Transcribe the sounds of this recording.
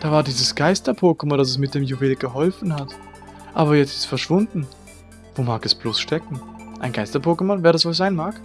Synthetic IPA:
d̥aːvaːɐdiːzəsɡ̥aɪstɐpʰoːkəmɔndas̬ɛs̬mɪt̚d̥eːmjuveːlɡ̥əɦɔlfn̩hat | ʔaːbɐjɛt͡stɪ̥stfɛɐʃv̥ʊndn̩ | voːmaːkɛsb̥loːsʃtɛkŋ̩ʔaɪnɡaɪstɐpʰoːkəmɔnveːɐɾasv̥oːz̥aɪnmaːk

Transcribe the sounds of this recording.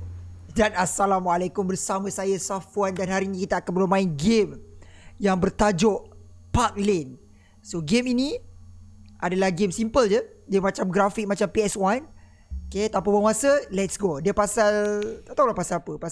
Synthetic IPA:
danasalamwalekʊmbərsamə̃sajasafuandanhaɾinĩkit̪aːkanbəlumãinɡemjaŋbərt̪ad͡ʒɔʔ | pak̚lɛn | soɡemini | ʔadalahɡemsimpəld͡ʒə | diəmat͡ʃamɡɾafik̚mat͡ʃampiɛswan | oket̪amp̬abaŋasəlɛtsɡodiəpasalt̪at̪awlahpasalapəpa

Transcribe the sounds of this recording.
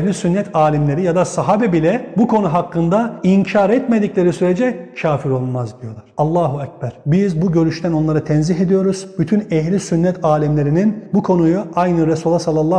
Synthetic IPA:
ɛɦlʲisynːɛt̪ʰaːlʲimlʲe̞ɾijad̪asaɦaːbɛbilʲɛbukʰo̞nuɦakːɯnd̪aiɲcʰaɾɛt̪me̞d̪iclʲe̞ɾisyɾe̞d͡ʒɛcʰaːfiɾo̞lˠmazd̪ijo̞lˠaɾ̥alˠːaːɦuɛc̚bæɾ̥bizbuɟø̞ɾyʃt̪ʰæno̞nlˠaɾat̪ʰɛnziɦe̞d̪ijo̞ɾuz̥byt̪ʰynɛɦlʲisynːɛt̪ʰaːlʲimlʲe̞ɾininbukʰo̞nujuajnɯɾesulˠːasalˠːalˠːa

